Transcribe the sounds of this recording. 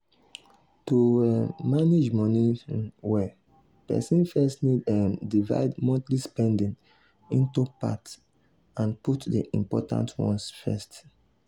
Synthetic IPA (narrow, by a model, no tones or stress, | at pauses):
tumaned͡ʒmɔniwɛ | pɛ̰sĩnfɛstnidɛmdiva̰ɪdmɔ̃tlispɛ̃ndĩn | ĩntupa̰t | ãnputdeʔḭ̃mpɔtã̰ntʰwɔ̰̃nsfɛ̰st